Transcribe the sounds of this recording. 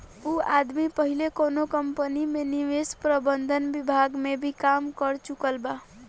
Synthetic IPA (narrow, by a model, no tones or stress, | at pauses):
uad̪mipʌɦilekonokʌmpənimeniʋespɾəbənd̪ʱənbibʱaɡmebʱikamkʌɾt͡ʃukəlba